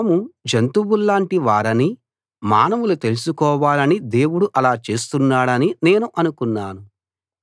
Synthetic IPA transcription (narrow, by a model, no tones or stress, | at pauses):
mud͡ʒɐnt̪ubulːaːɳʈiʋaːɾɐni | ma̰ːnɐʋulut̪e̞lusukɔːʋaːlɐnid̪e̞ːwuɽuʔɐlaːt͡ʃe̞ːs̬t̪unːaːɽɐnine̞ːnuʔɐnukunːaːnu